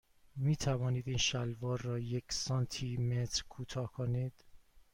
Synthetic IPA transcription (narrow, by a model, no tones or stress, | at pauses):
miːt̪ʰævɒːniːd̪iːnʃælvɒːɾːɒːjecʰsɒːnt̪ʰiːmet̪ʰɾkʰuːt̪ʰɒːkʰoniːd̪̥